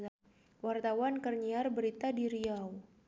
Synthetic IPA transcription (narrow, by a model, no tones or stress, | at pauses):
wart̪awankərɲiarbəɾit̪adiɾiaw